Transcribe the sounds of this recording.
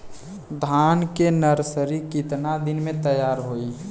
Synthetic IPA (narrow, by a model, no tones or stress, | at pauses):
d̪ʱankenəɾsəɾikɪt̪nad̪ɪnmẽt̪əjaːɾɦoi